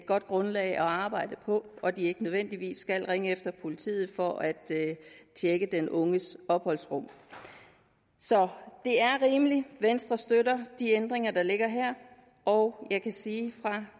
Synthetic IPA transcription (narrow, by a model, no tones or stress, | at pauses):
d̥̚ɡ̥ɒ̽d̥̚ɡ̥ʁɔ̽nlɛ̰ɪʔɒ̽ɑ̈ːb̥ɑ̈ɪ̰d̥əpʰɒ̽ɒ̽d̥ie̝ɡ̥ənəð̞ˠʋen̰d̥iʋḭːsːɡ̥ælʁeŋəefd̥ɐpʰo̝lit͡sʰḭːð̞̩ˠfɒ̽ʔæd̥t͡ɕʰeɡ̥əd̥enʔɔ̽ŋəsɒ̽b̥hɒ̽l̰sʁɔ̽m̰ | sɒ̽d̥e̝æɐʁiːməliʋensd̥ʁɐsd̥øɾɐd̥iend̥ʁeŋɐd̥ɑ̈le̝ɡ̥ɐɦæɐ̰ | ʔɒʊjɑ̈ɪkʰæsiːfʁɑ̈